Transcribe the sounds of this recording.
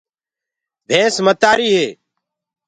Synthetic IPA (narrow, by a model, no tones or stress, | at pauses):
bʱẽːsmət̪aːɾiːɦeː